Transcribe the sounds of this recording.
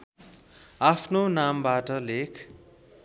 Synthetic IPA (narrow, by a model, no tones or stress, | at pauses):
apʰnonambaʈʌlekʰ